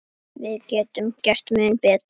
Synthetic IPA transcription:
vɪðcɛːt̪ʏmcɛst̪mʏːnpɛːt̪

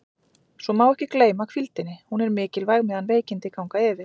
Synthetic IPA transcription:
svɔmaːwɛhcɪkleːjmakʰfilt̪ɪnːɪhunɛɾmɪːcɪlvajɣmɛðanveːjcɪnt̪ɪkawŋkaɛːvɪ

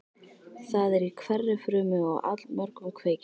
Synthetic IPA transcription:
θaðɛɾikʰvɛrːɪfɾʏːmɪɣa̰wʔa̰t̪lmɔɾkʏmkʰveːjc

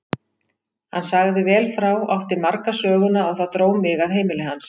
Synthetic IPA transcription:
hanːsaɣðɪvɛːlfɾawɔft̪ɪɾmaɾkasœːɣʏnaɔɣθat̪ɾoːwmɪɣaðɦeːjmɪlɪɦans

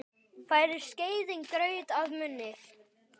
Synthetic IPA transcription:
fajɾɪɾ̥scejðɪŋkɾœɥt̪aðmʏnːɪ̥

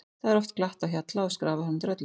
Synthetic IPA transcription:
θaðɛɾɔft̪klaht̪açat̪laɔskɾaːvahant̪ɾœt̪l

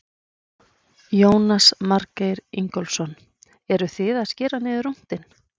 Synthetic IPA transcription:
joːwnasmaɾkejɾḭŋkɔlsɔn | ɛɾʏθɪðaðscɪːɾanɪːðʏɾum̥t̪ɪn

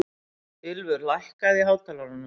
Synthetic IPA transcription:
ɪlvʏɾlajhkaðɪɦaːwt̪ʰalaɾʏnːʏ

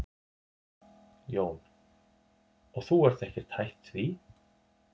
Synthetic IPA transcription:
joːwn | ɔɣθuɛɾ̥θɛhcɪɾ̥t̪ʰajht̪θvi

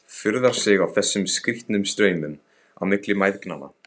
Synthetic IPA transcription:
fʏɾðaɾ̥sɪɣawθɛsːʏmskɾiht̪nʏmst̪ɾœːɥmʏm | a̰wmɪklɪmajðkna̰nːa̰

